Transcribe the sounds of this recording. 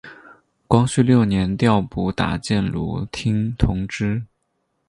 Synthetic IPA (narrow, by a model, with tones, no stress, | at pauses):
kwɑ˥ŋɕy˥˧ljo˥˩ʊnjɛ˧˥nt̪jɑ˥˧ʊpu˥˩t̪a̰˨˩t͡ɕjɛ˥˩nlṵ˧˥˩t̪ʰi˥ŋt̪ʰʊ˧˥ŋʈ͡ʂɻ̩˥